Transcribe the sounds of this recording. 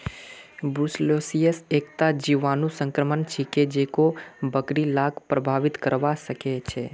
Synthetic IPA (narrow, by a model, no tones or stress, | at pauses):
bɾuslosijəsek̚t̪ad͡ʒiʋanũsə̃ŋkɾəmənt͡ʃʰeked͡ʒekobəkɽilaɡpɾəbʱaʋit̪kəɾʋaʃəket͡ʃʰe